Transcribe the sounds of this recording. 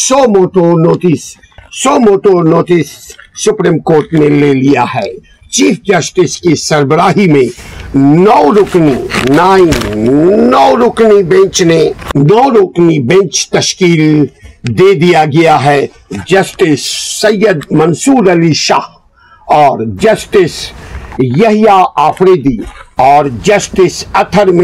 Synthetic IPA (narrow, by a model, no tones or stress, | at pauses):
somoːʈonoːtisː | oːmoːʈonoːʈɪsːʊpɾiːmkoːɾʈmẽleːlijaɦɛː | t͡ʃiːfʰd͡ʒɐsʈɪskisɐɾbəɾaːɦimẽnɔːɾʊkninaːɪmnɔːɾʊknibɛ̃nt͡ʃnenɔːɾʊknibɛ̃nt͡ʃt̪ɐʃkiːld̪eːd̪ijaɡɐjaɦɛ | d͡ʒɐsʈɪsːɐjːəd̪mɐnsuːɾɐliʃa̰ːh | ɔːɾd͡ʒɐsʈɪs | jɐɦijaaːpʰɾeːd̪iɔːɾd͡ʒɐsʈɪsɐt̪ʰəɾmɪ